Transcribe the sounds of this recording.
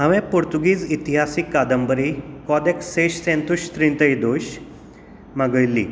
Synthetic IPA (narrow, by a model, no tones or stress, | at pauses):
ɦaʋẽpuɾt̪uɡiːd͡zit̪iɦasikːad̪əmbəɾikɔd̪eksːeɕsẽnt̪uɕt̪ɾĩnt̪əjd̪oɕ | maɡəjlːḭː